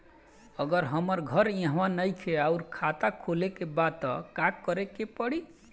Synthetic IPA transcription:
ʌɡʌɾɦʌmʌɾɡʱʌɾjãɦãwanʌjkʰeawɾkʰat̪akʰolekebat̪ʌ̰kakːʌɾekepʌɽi

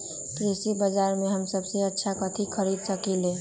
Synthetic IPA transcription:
t̪ɾesibəd͡ʒaɾmẽɦəmsəbseətːʃʰakət̪ʰikʰəɾid̪səkile

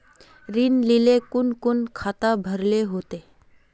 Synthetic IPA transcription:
ɾinlilekunkunkʰat̪abʱəɾleɦot̪e

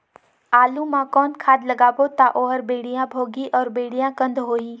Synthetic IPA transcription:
aːlumãkɔːnkʰaːd̪lɐɡaːbot̪aʔoːɦəɾbeːɽ̤ijãbʱoːɡiʔɔːɾbeːɽijãkə̃nd̪ʱɦoːiː

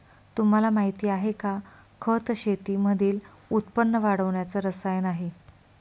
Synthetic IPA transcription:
t̪um̤alamaɦit̪iːaɦeka | kʰət̪ɕet̪iməd̪ʱiːl | ut̪̚pənːəʋaɽəʋɳjat͡səɾəsajnaɦi

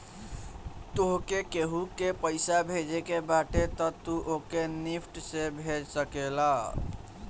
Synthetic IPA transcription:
t̪oɦkekeɦukepəɪsabʱed͡ʒekebaʈet̪ət̪uʔokenipʰʈsẽbʱed͡ʒsəkela

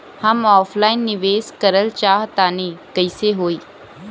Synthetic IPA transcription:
hɐmɔːpʰlaːɪnːɪʋeːskəɾəlt͡ʃaːɦt̪aːnikəɪseɦoːiː

